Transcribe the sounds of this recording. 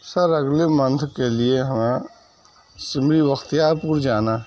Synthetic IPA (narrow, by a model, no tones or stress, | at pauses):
səɾɐɡlemə̃nt̪ʰkelieɦəmã | sɪmɾiʋəxt̪ijaːpuːɾd͡ʒaːnaː